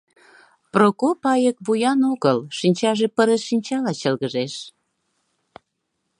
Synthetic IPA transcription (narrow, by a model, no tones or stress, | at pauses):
prokopɑjək̚βujɑnoɣəlʃinʲt͡ɕɑʒepəɾəsʃinʲt͡ɕɑlɑt͡ɕəlɣəʒeʃ